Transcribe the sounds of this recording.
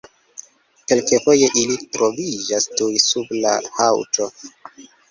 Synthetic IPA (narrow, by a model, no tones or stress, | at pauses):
ke̞lkefo̞je̞ʔilitɾo̞vid͡ʒastujsublahawto̞